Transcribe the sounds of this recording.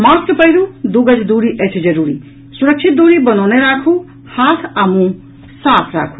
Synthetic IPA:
maskpəɦiɾud̪uɡəd͡ʒd̪uɾiʔət͡ʃʰd͡ʒəɾuɾḭ | suɾəkt͡ʃʰit̪̚d̪uɾibənɔwneɾakʰu | hat̪ʰamũ | saːpʰɾa̰ːkʰu̥

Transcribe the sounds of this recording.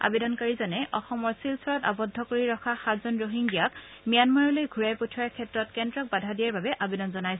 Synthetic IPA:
a̰bedɔnkaɹizɔnɛʔɔxɔmɔɹsilsɔɹɔta̰bɔdʱːɔkoɹiɹɔxkʰaxatzɔnɹoɦiŋɡijak | mijanmaɹɔlojɡʱuɹajputʰɔɹaɹkʰɛtɹɔtkɛndɹɔk̚badʱadijaɹbabɛʔabedɔnzɔnajs

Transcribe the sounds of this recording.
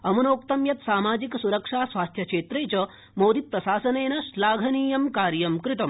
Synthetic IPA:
ɐmunoːkt̪ɐmjɐt̪saːmaːd͡ʒiksuɾɐkʂaːsʋaːst̪ʰjɐkʂeːt̪ɾeːt͡ɕɐ | moːd̪it̪̚pɾɐsaːsɐneːnɐslaːɡʱɐniːjɐmkaːɾjɐmkɾɪt̪ɐm

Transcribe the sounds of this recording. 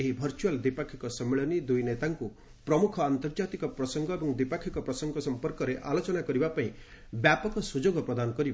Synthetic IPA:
eɦibʱɔɾt͡ʃuald̪ipakʰikɔsɔmːeɭɔnid̪ujnet̪aŋku | pɾɔmukʰɔant̪ɔɾd͡ʒat̪ikɔpɾɔsɔŋɡɔebɔŋd̪ipakʰikɔpɾɔsɔŋɡɔsɔmpɔɾkɔɾeʔalot͡ʃɔnakɔɾibapaĩ | bjapɔkɔsud͡ʒoɡɔpɾɔd̪anɔkɔɾib

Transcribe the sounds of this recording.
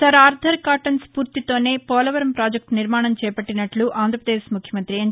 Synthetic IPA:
sɐɾaːɾd̪ʰʱɐɾkaːʈɐnspuːɾt̪it̪o̞ːne̞ːpɔːlɐʋɐɾɐmpɾaːd͡ʒɐk̚ʈniɾmaːɳɐmt͡ʃɛːpɐʈːinɐʈluʔaːnd̪ɾɐpɾɐd̪eːʃmukʰjɐmɐnt̪ɾiɐ

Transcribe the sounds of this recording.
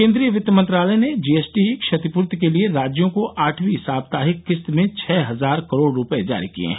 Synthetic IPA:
kẽːnd̪ɾijəʋɪt̪ːəmɐ̃nt̪ɾaːləned͡ʒiːeːsʈikʃɐt̪ipʊɾt̪kelieɾaːd͡ʒjõkoʔʔaːʈʰbiɦɪsaːb̚t̪aːɦɪkːɪst̪mẽt͡ʃʰɛːɦɐzaːɾkɐɾoːɽɾʊpəed͡ʒa̰ːɾikḭḛ̃ː

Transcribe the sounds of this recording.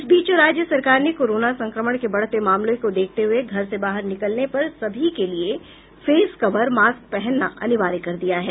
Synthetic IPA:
ɪsbiːt͡ʃoɾaːd͡ʒjəsɐɾkaːɾnekoːɾoːnasɐ̃ŋkɾəməɽ̃kebɐɽ̤t̪emaːmlõkod̪eːk̚ʰt̪eɦʊeɡʱɐɾsebaːɦəɾnɪkəlnepɐɾsɐbʱikelie | feːskɐʋəɾmaːsk̚pɛɦɛnːa̰ʔɐ̰nɪʋaːɾikɐɾd̪ijaɦɛː

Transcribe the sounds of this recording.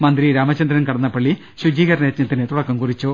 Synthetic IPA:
mɐnd̪ɾiɾaːmɐt͡ɕːɐnd̪ɾɐnkɐɽɐnːɐpːɐɭːi | ɕud͡ʑiːɣɐɾɐneːt̪ɲɐt̪ːinet̪uɽɐkːɐmkurit͡ɕːu

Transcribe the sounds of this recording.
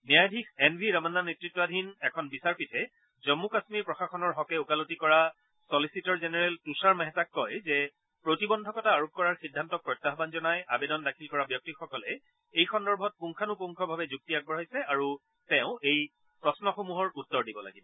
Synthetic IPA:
njajdʱikʰɛnbʱiɹɔmanːanetɹitːɔadʱinɛkʰɔnbisaɹpitʰɛ | zɔmːukasmiɹpɹɔxaxɔnɔɹɦɔkɛukalotikɔɹa | sɔlisitɔɹzenɛɹɛltusaɹmɛɦɛtakːɔjzɛ | pɹotibɔndʱɔkɔtaːɹup̚kɔɹaɹxidʱːantɔk̚pɹɔjtːaɦɔbanzɔnajabedɔndakʰilkɔɹabjɔk̚tixɔkɔlɛ | ejxɔndɔɹbʱɔt̚puŋkʰanupuŋkʰɔbʱabɛzuk̚tiak̚bɔɹajsɛaɹu | tɛʊ̃ej | pɹɔsnɔxomuɦɔɹutːɔɹdibɔla̰ɡibɔ

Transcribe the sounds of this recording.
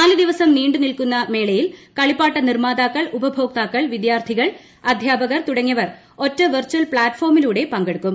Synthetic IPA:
naːlɐd̪iʋɐsɐmniːɳɖɨnilkunːɐme̞ːɭɐjilkɐɭipːaːʈːɐnirmaːd̪aːkːɐɭubɐbʱo̞ːk̚t̪aːkːɐɭʋid̪jaːrt̪ʰiɣɐɭ | ɐd̪ʱjaːbɐɣɐrt̪uɽɐŋːɐʋɐr | o̞tːɐʋɨrt͡ɕuɐlpɭaːtːfo̞ːrmiluːɽe̞pɐŋɡeɽukːum

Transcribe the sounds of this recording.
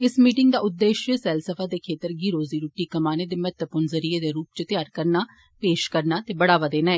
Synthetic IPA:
ɪsmiːʈɪŋɡd̪aːʊd̪ːeːʃəsɛːlsəpʰaːd̪eːkʰeːt̪əɾɡiːɾoːziːɾuːʈːiːkəmaːneːd̪eːmɛt̪əpʊnzəɾiːeːd̪eːɾuːp̚t͡ʃət̪jaːɾkəɾnaː | peːʃkəɾnaːt̪eːbəɽaːʋaːd̪eːnaːɛː

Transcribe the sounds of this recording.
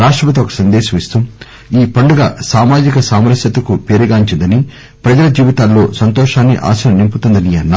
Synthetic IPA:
ɾaːʂʈɾɐpɐt̪ɐokɐ̥sɐnd̪ɛːʃɐmist̪um | iːpɐɳɖuɡasaːmaːd͡ʒikɐsaːmɐɾɐsjɐt̪ɐkupeːɾuɡaːiɲt͡ʃind̪ɐni | pɾɐd͡ʒɐlɐd͡ʒiːʋit̪aːlːo̞ːsɐnt̪ɔːʂaːnːḭʔa̰ːsɐnɐnimput̪und̪ɐniɐnːa

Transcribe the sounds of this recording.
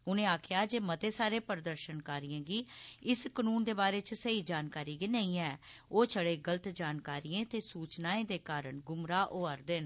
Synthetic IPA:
ʊnẽːaːkʰjaːd͡ʒeːmət̪eːsaːɾeːpəɾd̪əɾʃənkaːɾijãːɡiːɪskənuːnd̪eːbaːɾeːt͡ʃsəiːd͡ʒaːnkaːɾiːɡinəĩːɛɛ̃ːoːt͡ʃʰəɽeːɡələt̪d͡ʒaːnkaːɾijẽːt̪eːsuːt͡ʃnaːẽːd̪eːkaːɾəɳɡʊmɾaːʔoːəɾd̪ɪn

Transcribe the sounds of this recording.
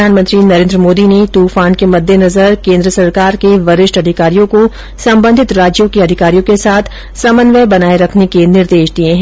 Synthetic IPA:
d̪ʱaːnmə̃nt̪ɾinɐɾẽːnd̪ɾəmoːd̪inet̪uːfaːnkemɐd̪ʱːenɐzəɾkẽːnd̪ɾəsɐɾkaːɾkeʋɐɾɪʃʈɐd̪ʱɪkaːɾijõko | sɐ̃mbə̃nd̪ʱɪt̪ɾaːd͡ʒjõkeɐd̪ʱɪkaːɾijõkesaːt̪ʰ | sɐmənʋəbɐnaːeɾɐkʰnekenɪɾd̪eːʃd̪ieɦɛ̃

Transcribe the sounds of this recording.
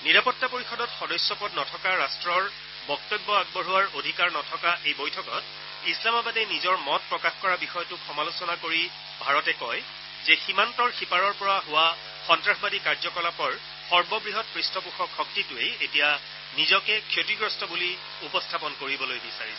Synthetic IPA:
niɹapɔtːapoɹixɔdɔtxɔdɔjsjɔpɔdnɔtʰɔkaɹastɹɔɹ | bɔk̚tɔbːɔaɡ̚bɔɹɦuwaɹodʱikaɹnɔtʰɔkaʔejbojtʰɔkɔt | islamɔbadɛjnizɔɹmɔt̚pɹɔkaxkɔɹabixɔjɔtʊxʰɔmalusɔnakoɹi | bʱaɹɔtɛkɔj | zɛximantɔɹxipaɹɔɹpɔɹaɦʊwa | xɔntɹaxbadikaɹzɔkɔlapɔɹ | xɔɹbɔbɹiɦɔt̚pɹistɔpuxɔkxɔk̚titʊejetija | nizɔkɛkʰjotiɡɹɔstɔbuli | upɔstʰapɔnkoɹibɔlojbisaɹisɛ

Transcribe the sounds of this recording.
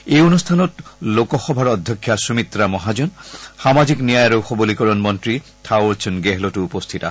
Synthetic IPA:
ejonust̪ʰanɔtlokɔxɔbʱaɹɔd̪ʱjɔkʰːjasumit̪ɾamɔɦad͡ʑɔnxamad͡ʑiknijajɾoxɔbulikɔɹɔnmɔntɹitʰawɾt͡ʃʰunɡeɦlɔtuupost̪ʰita̰

